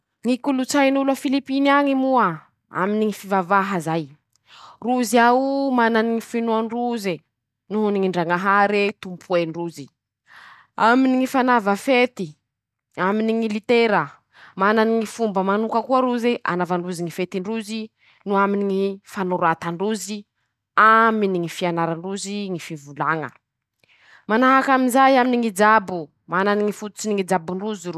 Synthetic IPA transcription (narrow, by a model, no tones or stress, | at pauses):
ŋikulut͡sajnulafilipiniaŋimua | a̰miniŋifivavaɦazaj | ruziaumananiŋifinuanruze | nuɦuniŋiɳɖ͡ʐaŋaɦaɾet̪umpʰuenruzi | aminiŋifanavəfet̪i | aminiŋilit̪eɾə | mananiŋifumbəmanukəkuəɾuzeʔa̰navaɳɖ͡ʐuziŋifet̪iɳɖ͡ʐuzi | nuaminiŋifanuɾat̪aɳɖ͡ʐuzi | aminiŋifianaɾaɳɖ͡ʐuziŋifivulaŋə̰ | manaɦakaminzajaminiŋid͡ʒabu | mananiŋifut̪u̥t͡siniŋid͡ʒabuɳruziɾu